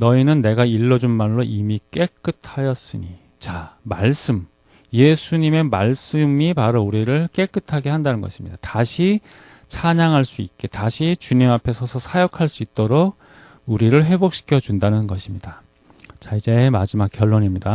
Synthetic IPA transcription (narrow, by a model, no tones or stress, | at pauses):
nʌinɯnːe̞ɡaiɭːʌd͡ʑunmaɭːoʔimik͈e̞k͈ɯtʰajʌs͈ɯɲi | t͡ɕamaɭs͈ɯm | je̞sʰuɲime̞maɭs͈ɯmipaɾʌuɾiɾɯɭk͈e̞k͈ɯtʰaɡe̞handanɯnɡʌ̰ɕʰi̥mɲḭd̥ataɕʰi | t͡ɕʰaɲaŋɦaɭs͈uik͈e̞taɕʰit͡ɕuɲimapʰe̞sʰʌsʰʌsʰajʌkʰaɭs͈uit̚t͈oɾoɡ̚ | uɾiɾɯɭɸe̞bok̚ɕ͈ʰi̥kʰjʌd͡ʑundanɯnɡʌɕʰimɲid̥a | t͡ɕaid͡ʑe̞mad͡ʑimak̚k͈jʌɭːoɲimɲida